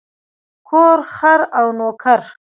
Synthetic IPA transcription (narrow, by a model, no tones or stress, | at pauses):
kʰoɾxaɾawnokʰaɾ